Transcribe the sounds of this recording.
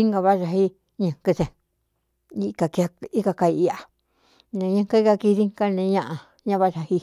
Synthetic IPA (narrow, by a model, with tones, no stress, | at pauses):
i˦ŋɡa˧βa˦ʐa˧hi˦ | ɲɨ̃˨ŋkɨ˧sẽ˨ | i˧ka˨ka˧i˦ka˧ka˧i˧i˧a˨ | nẽ˨˧ɲã˧ŋka˧˦i˦ka˧ki˧ði˦ŋka˦nẽ˧ɲã˦ʔã˧ | ɲã˦βa˦ʐa˧hi˦